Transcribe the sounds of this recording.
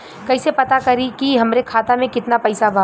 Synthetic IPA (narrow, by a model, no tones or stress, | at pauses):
kɐɦsepɐt̪akɐɾikiɦɐmɾekʰaːt̪amẽkɪt̪napɐːsabʱa